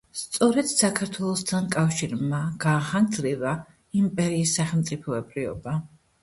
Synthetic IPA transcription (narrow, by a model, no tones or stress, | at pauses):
st̪sʼɔɾɛd̪̥sakʰaɾt̪ʰwɛlˠɔst̪ʰankʼafʃiɾmaɡ̥aːχand̪zɾiva | impʼɛɾiːsːaχɛlˠmt̪sʼipʰɔɛbɾiɔ̰ba